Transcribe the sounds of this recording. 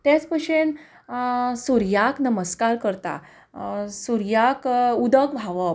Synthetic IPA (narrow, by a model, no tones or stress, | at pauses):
t̪jat͡spəɕen | suɾjaknəməskaɾkəɾt̪a̰ | suɾjakud̪əkbʱaʋə